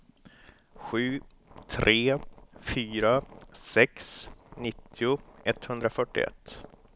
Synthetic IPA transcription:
ɧʉ̟ː | t̪ʰɾʔeːfyːɾasɛksnɪt̪ʰːɪʊɛt̪ːhɵnd̪ɾafœʈːɪ̰ɛ̰t̪ː

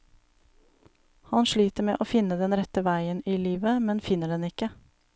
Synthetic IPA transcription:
hɑnʃɭiːt̪əmḛːʔoːfɪnəd̪ɛnɾɛt̪əʋæɪəniːliːʋəmɛnfɪnəɖɛnɪkə

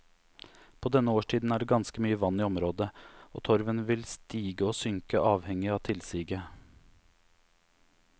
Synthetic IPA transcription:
pʰoːd̪ɛnːəoːʂʈʰiːd̪n̩æːɖeːɡɑnskəmyːəʋɑnːiːɔmɾoːd̪əo̰ːt̪ʰɔɾʋənʋɪlst̪iːɡəoːsʏŋkəʔɑːʋhɛŋːɪɑːt̪ʰɪlsiːɡə

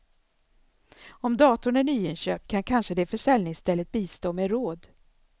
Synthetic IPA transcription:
ɔmd̪ɑːt̪ʊɳæɳyːɪnɕøːpkʰankʰanʂəd̪ɛfœʂɛlnɪŋst̪ɛlːət̪̚biːst̪oːmeɾoːd̪

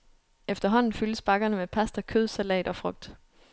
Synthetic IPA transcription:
efd̥ɐɦɒ̽n̰n̩fyləsb̥ɑ̈ɡ̥ɐnəmepʰæsd̥ɐkʰøðˠsælɛ̰ːd̥ɒ̽fʁɔ̽ɡ̥̚d̥

